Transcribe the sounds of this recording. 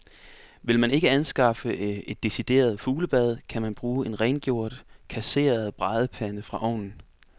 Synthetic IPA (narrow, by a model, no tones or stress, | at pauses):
ʋe̝lmæne̝ɡ̥əænsɡ̥ɑ̈fəe̝d̥ːe̝sid̥e̝̰ːɐð̞ˠfuːləb̥æð̞ˠkʰæmænb̥ʁuːe̝nʁɛnɡ̥jo̝ɐ̰d̥kʰæse̝̰ːɐð̞̩ˠb̥ʁɑ̈ðˠəpʰænəfʁɑ̈ʔɒ̰ʊnn̩